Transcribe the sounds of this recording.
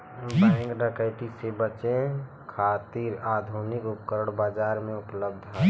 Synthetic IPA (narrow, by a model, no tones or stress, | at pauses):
bɛ̃ŋɡnəkəɪʈisebət͡ʃẽ | kʰat̪iɾad̪ʱunikupkəɾəɽbad͡ʒaːɾmẽʊpləb̚d̪ʱɦã